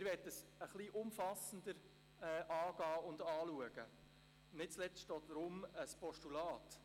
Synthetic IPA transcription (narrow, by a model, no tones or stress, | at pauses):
ɪɾʋɛːt̚dəsəχliʔʊmfɑsən̩dəɾ | ɛːʔɑːɡ̥ɑːʊndɑːluəɡ̥ə | nɪt̚t͡slɛt͡sʃtɔːtdɾʊməspɔʃtulɑːt